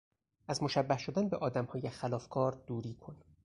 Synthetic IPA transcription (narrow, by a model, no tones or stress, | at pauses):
ʔæzmoʃæbːæhʃo̞d̪ænbeʔɒːd̪æmhɒːjexælɒːfkʰɒːɾd̪uːɾiːkʰon